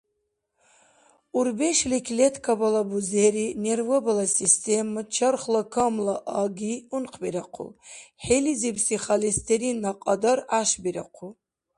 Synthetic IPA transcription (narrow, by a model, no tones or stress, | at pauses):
uɾbɛʃlikʰʲlʲɛt̪ʰkʰabalabuzeɾinervɔbalasist̪ʰemɨt͡ʃʰɐrχlakʰamlaʔaɡiunqʰbiɾaqʰṵħelizipʰsiχalist̪ʰeɾinaqʼɑd̪aɾaʃbiɾaqʰu